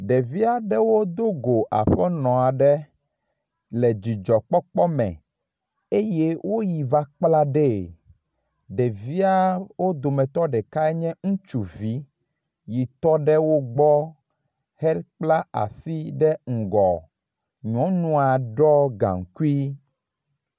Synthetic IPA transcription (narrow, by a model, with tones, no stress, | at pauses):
ɖɛ˨vi˦a˨ɖɛ˦wo˦d̪o˦ɡo˨ʔa̰˨ɸɛ˦nɔ̃˨a˨ɖɛ˦ | lɛ˨d͡ʑi˨d͡ʒɔ˨k͡pɔ˦k͡pɔ˦mɛ̰̃˨ | e˦je˦wo˦ji˨va˦k͡pla˦ɖɛ˦˨ | ɖɛ˨vi˦a˦wo˦d̪o˨mɛ̃˨t̪ɔ˦ɖɛ˨ka˦ɛ˦ɲɛ̃˦ŋũ˦t͡ʃu˨vi˦ | ji˨t̪ɔ˦ɖɛ˦wo˦ɡ͡bɔ˦ | hɛ˦lk͡pla˦a̰˨si˦ɖɛ˦ŋ̩˨ɡɔ˨ | ɲɔ̃˨˦nũ˦a˨ɖɔ˦ɡã̰˨ŋ˨ku˦i˦